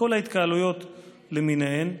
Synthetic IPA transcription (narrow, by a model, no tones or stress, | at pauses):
o̞lait̪kaːlujo̞t̪ | lemineɦem